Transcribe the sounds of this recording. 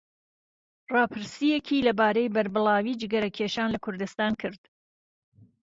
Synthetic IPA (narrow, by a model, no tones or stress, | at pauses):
rɑːpʰɨɾsijekʰiːlɐbaːɾejbɐɾbɨlaːwiːd͡ʒɪɡɐɾɐkʰeʃaːnlɐkʰʊɾd̪ɨst̪aːnkʰɨɾd̪̥